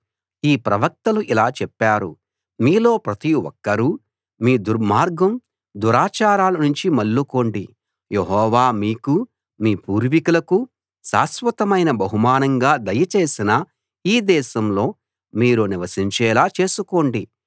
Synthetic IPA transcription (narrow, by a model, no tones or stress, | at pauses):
iːpɾɐʋɐk̚t̪ɐluʔilaːt͡ʃɛpːaːɾṵ | miːlo̞ːpɾɐt̪iwɔ̰kːɐɾu | miːd̪uɾmaːɾɡɐm | d̪uɾaːt͡ʃaːɾaːlɐnuɲt͡ʃimɐlːuko̞ːɳɖi | jeɦɔːʋaːmiːku | miːpuːɾʋikulɐku | saːsʋɐt̪ɐmɐjnɐbɐɦumaːnɐŋɡaːd̪ɐjɐt͡ʃeːsinɐ | iːd̪ɛːʃɐmlo̞ː | miːɾuniʋɐsiɲt͡ʃɛːlaːt͡ʃe̞ːsuko̞ːɳɖi